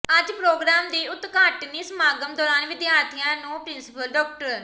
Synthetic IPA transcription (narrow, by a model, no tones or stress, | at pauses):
əd͡ʒpɾoːɡɾaːmd̪iːʊt̪kaːʈniːsəmaːɡəmd̪ɔːɾaːnʋɪd̪jaːɾt̪ʰijãːnũːpɾɪnsɪpəlɖɔːk̚ʈəɾ